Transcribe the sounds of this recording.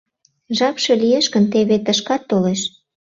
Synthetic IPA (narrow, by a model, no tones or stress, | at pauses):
ʒɑpʃɤ̽lieʃkə̆nt̪eβet̪əʃkɑt̪ːoleʃ